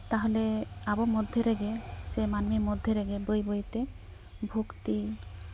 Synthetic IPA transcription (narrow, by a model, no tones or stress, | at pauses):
t̪aɦoleabomɔd̪ʱːeɾeɡesemanmimɔd̪ʱːeɾeɡebojbojt̪e | bʱokt̪i